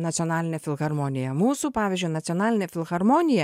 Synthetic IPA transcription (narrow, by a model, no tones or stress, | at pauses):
nɐt̪sʲɪɔnɑːlʲɪnʲɛfʲɪlˠɣɐɾmoːnʲɪjɛmuːsuːpɑːʋʲɪzʲd͡ʒʲʊɪnɐt̪sʲɔnɑːlʲɪnʲɛfʲɪlˠɣɐɾmoːnʲɪjɛ